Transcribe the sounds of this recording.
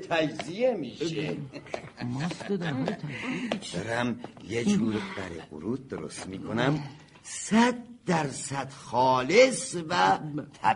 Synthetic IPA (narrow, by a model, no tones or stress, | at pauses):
t̪ʰæd͡ʒzijemiʃe | msd̪od̪t̪ʰæb̥eɾæmjed͡ʒuɾɪd̪æɾiqʊ̰ɾud̪ʊɾo̰st̪mikʰonæm | sæt̪̚d̪æɾsæd̪̥χɒːlesvæt̪ʰæ